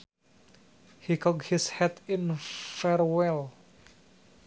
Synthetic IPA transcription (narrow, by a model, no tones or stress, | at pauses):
hikʰɔk̚hɪshɛt̪ɪnfɛɹwɛl